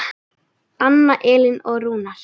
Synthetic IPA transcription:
anːaʔɛːlɪnɔɣruːnaɾ̥

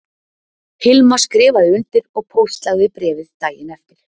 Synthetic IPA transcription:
hɪlmaskɾɪːvaðɪʏnt̪ɪɾɔɣpʰowst̪laɣðɪpɾɛːvɪðt̪aːjɪnɛft̪ɪɾ̥

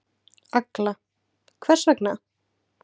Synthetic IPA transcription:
akla | kʰvɛr̥svɛkna

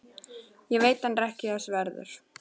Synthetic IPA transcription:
jɛveːjt̪anrɛhcɪθɛsvɛɾðʏ̰ɾ̥

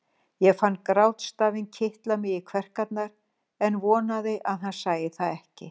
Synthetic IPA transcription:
jɛɣfanːkɾawt̪st̪aːvɪncʰɪht̪lamɪɣɪkʰvɛr̥kat̪̚naɾ | ɛnvɔːnaðɪʔaðɦansaːjɪθaðɛhcɪ̰

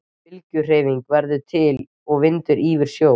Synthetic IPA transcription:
ɪlcʏr̥eːjviŋkvɛɾðʏt̪ʰɪl | ɔɣvɪnt̪ʏɾʔiːvɪɾ̥sjoː

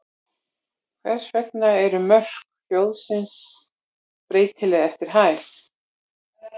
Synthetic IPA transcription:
kʰvɛr̥svɛk̚naɛɾʏmœr̥k | fjowðsɪns | pɾeːjt̪ʰɪlɛɣɛft̪ɪɾ̥ɦaɪɾ̥

